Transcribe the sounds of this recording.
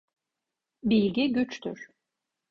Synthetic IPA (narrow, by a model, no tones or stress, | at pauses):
bilʲɟʲiɟyt͡ʃt̪ʰy̰ɾ̥